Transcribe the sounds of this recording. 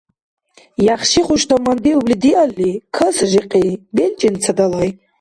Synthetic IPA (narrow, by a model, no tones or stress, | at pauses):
jaχʃiχuʃt̪ʰamand̪iublid̪ialːikʰəsʒiqʼibelt͡ʃʼint͡sʰad̪alaj